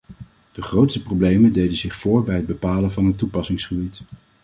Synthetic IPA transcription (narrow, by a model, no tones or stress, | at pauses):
d̥əχrowtstəprowblejməndejdənzɪχfʊːɹbɛjɦəd̚bəpaːlənvɑnɦətːupɑsɪŋsχəbit